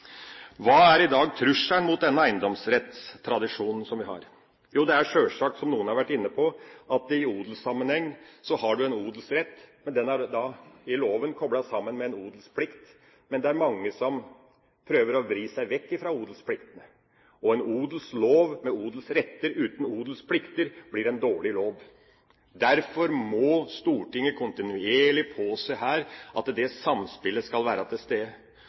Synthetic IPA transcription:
ʋɑːæɾɪd̪ɑːɡt̪ʰɾʉʂæɳmʊt̪̚d̪ɛnːəæɪnd̪ɔmsɾɛt̪st̪ʰɾɑd̪ɪʂuːnn̩sɔmʋɪɦɑ̰ɾ | juːd̪ɛæɾʂøːʂɑːksɔmnuːənhɑɾʋæʈːɪnːəpʰɔʔɑt̪ɪuːd̪lsɑmːənhɛŋːsɔhɑɖʉɛnuːd̪l̩sɾɛt̪ːmɛnd̪ɛnæd̪ɑɪloːʋənkʰɔbɽɑsɑmːənmɛɛnuːd̪lspʰlɪkt̪ | mɛnd̪ɛæɾmɑŋːəsɔm | pʰɾøːʋəɾɔʋɾiːsæɪʋɛkːɪfɾɑuːd̪lspʰlɪkt̪ənə | ɔɛnuːd̪lsloːʋmɛuːd̪l̩sɾɛt̪ːəɾʉːt̪n̩uːd̪l̩spʰlɪkt̪əɾb̥lɪɾɛnd̪oːɭɪloːʋ | d̪æɾfɔɾmɔst̪uːʈɪŋːəkʰʊnt̪ɪnʉeːɭɪpʰoːsɛɦæːɾʔɑ̰t̪d̪ɛsɑmspɪləskɑlʋæːɾɑt̪ʰɪst̪eː

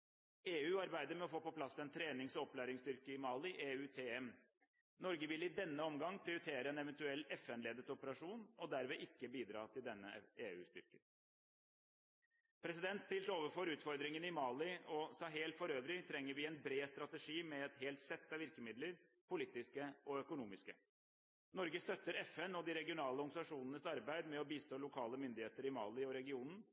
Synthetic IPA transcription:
eːʉːɑɾbæɪd̪əɾmɛɔfoːpɔpʰlɑsːɛnt̪ʰɾeːnɪŋsɔɔplæːɾɪŋst̪ʏɾkəɪmɑːlɪʔeːʉːt̪ʰeːɛm | nɔɾɡəʋɪlɪd̪ɛnːəɔmɡɑŋːpʰɾɪʊɾɪt̪ʰeːɾəɛnɛʋɛnt̪ʉɛlːɛfɛnleːd̪ət̪ɔpəɾɑʂuːnɔd̪æɾʋɛːʔɪkːəbiːd̪ɾɑ̰ːt̪ʰɪld̪ɛnːəʔeːʉːst̪ʏɾkə | pʰɾɛs̬ɪd̪ɛnt̪st̪ɪlt̪oːʋəɾfɔɾʉːt̪fɔɾd̪ɾɪŋənɪmɑːlɪɔsɑːɦeːlt̪fɔɾøːʋɾɪt̪ʰɾɛŋːəɾʋɪɛnbɾeːst̪ɾɑt̪əʂiːmɛɛt̪ɦeːlt̪sɛt̪ːɑʋɪɾkəmɪd̪ləɾpʰʊliːt̪ɪskəɔœkʊnuːmɪskə̰ | nɔɾɡəst̪œt̪ːəɾɛfɛnɔd̪ɪɾɛɡɪʊnɑːləɔɾɡsɑʂuːnənəsɑɾbæɪd̪mɛɔbiːst̪oːlʊkʰɑːləmʏnd̪ɪheːt̪əɾɪmɑːlɪɔɾɛɡɪuːnn̩

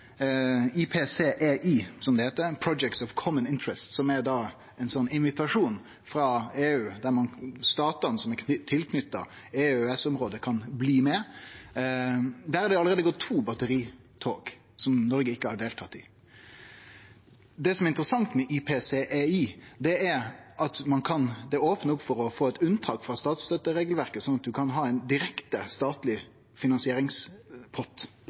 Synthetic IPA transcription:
ipʰeːseːʔeːʔiːsɔmd̪ɛheːt̪ːəpʰɾɔd͡ʒɛk̚t̪sɔʋkʰɔmənɪnt̪ɹɛst̪sɔmæɾd̪ɑ | ɛɪnsɔnːɪnʋɪt̪ɑʂuːn | fɾɑːeːʉːd̪æɾmɑnst̪ɑːt̪ɑnsɔmɛt̪ʰːɪlkʰnʏt̪ːɑ̰ | eːøɛsɔmɾoːd̪əkʰɑnbliːmɛ | d̪æːɾhɑɾd̪ɛɑləɾeːd̪əɡɔt̪ʰːuːbɑt̪əɾiː | t̪ʰoːk | sɔmnɔɾɡəɪkːəhɑɖeːlt̪ʰɑt̪ːɪ | d̪ɛsɔmɛɾɪnt̪əɾəsɑŋt̪mɛʔipʰeːseʔiːd̪ɛæɾʔɑt̪mɑnkʰɑnd̪ɛoːpnəʊpfɔɾɔfoːɛt̪ʉnt̪ʰɑːkfɾɑst̪ɑːt̪st̪œt̪ːəɾeːɡəlʋæɾkəsɔnɑt̪̚d̪ʉkʰɑnɦɑːɛɪnd̪ɪɾɛkt̪əst̪ɑːt̪lɪ | fɪnɑnsɪeːɾɪŋspʰɔt̪ː

